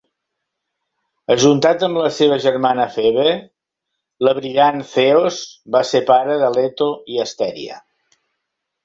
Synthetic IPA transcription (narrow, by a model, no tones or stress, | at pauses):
əʒunt̪at̪əmləseβ̞əʒərmanəfeβe | ləβɾianθeozbasepaɾəðəlet̪oiəst̪ɛɾḭə̰